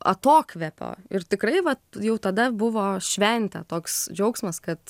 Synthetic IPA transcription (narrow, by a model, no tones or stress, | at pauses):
ɐ̰t̪oːkʋʲɛpʲo̰ːɪrt̪ʲɪkɾɐɪʋɐjɛʊt̪ɐd̪ɐbʊʋoːʃʲʋʲɛnʲt̪ʲɛ̰t̪oːksd͡ʒʲɛʊksmɐskɐt̪